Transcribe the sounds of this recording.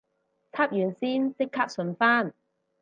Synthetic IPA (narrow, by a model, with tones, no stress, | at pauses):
t͡sʰaː˥p̚jyː˨˩nsiː˥nsɪ˥kʰːaː˦˥p̚sɵ˧nfaː˥n